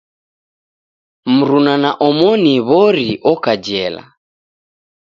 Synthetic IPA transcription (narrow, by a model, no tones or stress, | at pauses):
m̩ɾunanaʔɔmɔniβɔɾiʔɔkad͡ʒɛla̰